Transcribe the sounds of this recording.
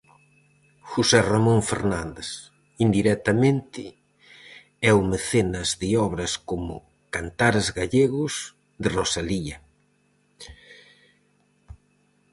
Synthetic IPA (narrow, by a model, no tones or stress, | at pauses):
xusɛramõɱfḛɾnãnd̪es | ind̪iɾɛk̚t̪amẽnt̪ɪ | ɛwmeθenɐzðɪɔβɾɐskomʊ̰ | kant̪aɾezɣaʎeɣʊs | ðɪrosaliɐ